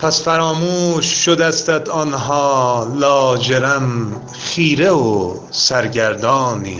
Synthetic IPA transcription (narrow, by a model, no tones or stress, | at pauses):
pʰæsfæɾɒːmuːʃːod̪æst̪æd̪ɒːnɦɒːlɒːd͡ʒeɾæm | χiːɾeo | sæɾɟæɾd̪ɒːnḭː